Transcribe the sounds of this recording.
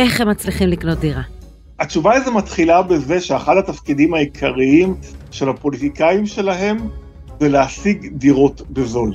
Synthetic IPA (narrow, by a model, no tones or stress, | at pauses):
ʔe̞χhemːat͡sliχimlikno̞t̪̚d̪iʁa | at͡ʃuvaazimat̪χilabe̞ze̞ʃeaχadhat̪afkidimaikʰaʁiimʃe̞lapo̞lit̪ikajimʃe̞laɦe̞m | zeleasiɡd̪iʁo̞t̪bezo̞l